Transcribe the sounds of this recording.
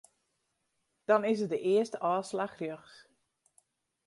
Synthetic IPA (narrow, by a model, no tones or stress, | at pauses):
d̥ɔnɪsət̚dəʔɪəstəʔɔːslaxrjøxs